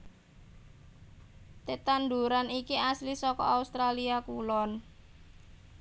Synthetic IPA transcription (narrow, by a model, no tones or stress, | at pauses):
t̪et̪and̪uɾanikiaslisɔkɔ̰aust̪ɾaliakulɔn